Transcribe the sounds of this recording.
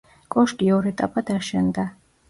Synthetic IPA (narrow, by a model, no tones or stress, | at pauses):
kʼɔʃɡʼiɔɾɛt̪ʼa̰pʼad̪̥aʃɛnd̪a